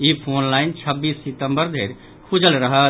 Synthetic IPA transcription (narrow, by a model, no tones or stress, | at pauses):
ipʰoːnlaːɪnt͡ʃʰəbːiːsːit̪əmbəɾd̪ʱeːɾ | kʰud͡ʒəlɾəɦə